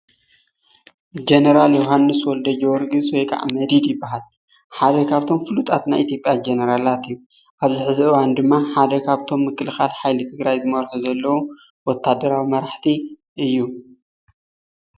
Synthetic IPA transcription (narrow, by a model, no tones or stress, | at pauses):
d͡ʒenɐɾaljoɦanːɨswɔld̪ɐd͡ʒoɾɡɨswɔjkʰʼa̰ʕmɐd̪id̪jɪbːaɦal | ħad̪ɐkʰaβt̪ʰo̞mfɨlut̪ʼat̪najʔit̪ʰjo̞pʼjad͡ʒenɐɾalat̪ɨjːu | ʔaβzɨħɨzɨɨwand̪ɨmːaħad̪ɐkʰaβt̪ʰo̞mːɨkːɨlxalħajlɨt̪ʰɨɡɾajzɨmɐɾħuzɐlːɐwo | wɔt̪ʰːad̪ːɐɾawimɐɾaħt̪ʰi | ʔɨjːu